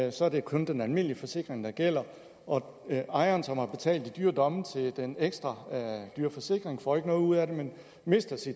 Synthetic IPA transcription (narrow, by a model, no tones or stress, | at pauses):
sɒ̽æɐd̥e̝kʰɔ̽nd̥enælme̝n̰liəfɒ̽se̝ɡ̥ʁeŋd̥ɑ̈ɡ̥el̰ɐ | ɒ̽ | ɑ̈ɪɐːnsɒ̽mhɑ̈b̥e̝t͡sʰɛ̰ːld̥id̥yːɐd̥ɒ̽mət͡sʰe̝ld̥eneɡ̥sd̥ʁɑd̥yːɐfɒ̽se̝ɡ̥ʁeŋfɒ̰ːe̝ɡ̥ənɔ̽ːðˠuð̩̰ˠæɾe̝men | me̝sd̥æsid̥